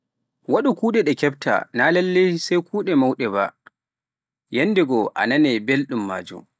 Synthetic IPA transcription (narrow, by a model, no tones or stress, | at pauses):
waɗukuːɗɛɗɛkɛb̚tʰa̰naːlɛlːejsajkʰuːɗɛmawɗɛba̰ | jɛndɛɡɔʔa̰nanɛbelɗumːa̰ːd͡ʒṵm